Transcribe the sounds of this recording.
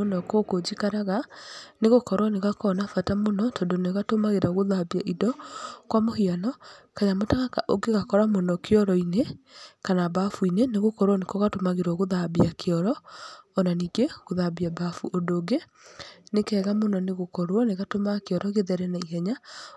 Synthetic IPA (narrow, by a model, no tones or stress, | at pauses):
onɔkokod͡ʒikaɾaɣaneɣokɔɾwɔneɣakɔnafatamonɔtɔndoneɣatomaɣeɾaoɣoðabiaʔidɔkwamohianɔkaɲamotaɣakaʔoɡeɣakɔɾamonɔkeɔɾɔinekanabafuineneɣokɔɾwɔnekɔɣatomaɣeɾaoɣoðabiakʰeɔɾɔɔnaniːɡeɣoðabiabafuʔodoːɡe | nekɛːɣamonɔneɣokɔɾwɔneɣatomakeɔɾɔɣeðɛɾɛnaihɛɲa